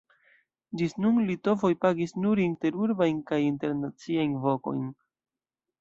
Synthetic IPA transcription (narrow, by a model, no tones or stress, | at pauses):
d͡ʒisnunlito̞vo̞jpaɡisnuɾinte̞ɾuɾbajnkajinte̞ɾnat͡siajnvo̞ko̞̰jn